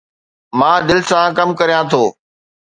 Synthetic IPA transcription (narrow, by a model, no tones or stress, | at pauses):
mãːd̪ɪlɪsãkɐmkɐɾijãt̪ʰoː